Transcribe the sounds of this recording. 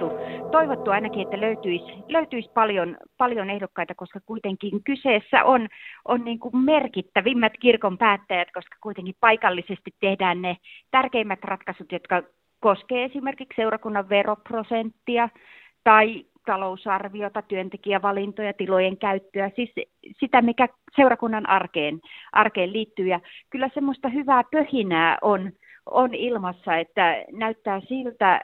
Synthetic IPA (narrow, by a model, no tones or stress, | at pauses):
ut̪oiʋot̪ːuɑinɑkiet̪ːæløyt̪yisløyt̪yispɑljonpɑljonehdokːɑit̪ɑkoskɑkuit̪eŋkiŋkyseːsːæ̰ʔonʔonniːŋkummerkit̪ːæʋimːæt̪kirkompæːt̪ːæjæt̪koskɑ̥kuit̪eŋkippɑikɑlːisest̪it̪tehdæːnnet̪ærkeimːæt̪rɑt̪kɑsut̪jot̪kɑ | koskeːesimerkiksseurɑkunːɑʋʋeroprosent̪ːiɑ | t̪ɑi | t̪ɑlousɑrʋiot̪ɑt̪yønt̪ekiæʋɑlint̪ojɑt̪ilojeŋkæyt̪ːøæsis | sit̪æmikæ | seurɑkunːɑnʔɑrkeːnʔɑrkeːlliːt̪ːyːjɑkylːæsemːost̪ɑhyʋæːpøhinæːʔon | onilmɑsːɑet̪ːænæyt̪ːæːsilt̪æ